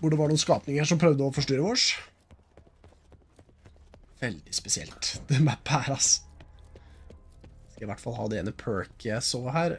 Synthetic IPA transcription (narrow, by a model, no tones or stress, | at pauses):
ʋʊɖɛʋɑɳuːnskɑːpnɪŋəəʂɔmpʰɾœʋd̪əɔfɔʂʈyːɾəʋɔʂ | ʋɛld̪ɪspɛsɪɛ̰lt̪d̪̥ɛmɛpʰæːɾɑs | ɪskɑlɪʋæʈːfɑlːhɑ̰ːd̪ɛḛːnəpʰøːɹkʰəsoːhæːɾ